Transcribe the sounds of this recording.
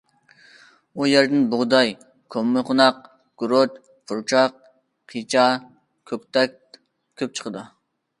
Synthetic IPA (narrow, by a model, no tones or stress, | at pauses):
ujeɾd̪ɪnbʊʁd̪ɑj | kʲʰomːɪqʰʊnɑq̚ | ɡ̥uɾot͡ʃ | pʰuɾt͡ʃʰɑq̚ | qʰit͡ʃʰɑ | kʲʰøkʲt̪ʰɛk̚ʲ | kʲʰːøp̚t͡ʃʰə̥qʰəd̪ɨ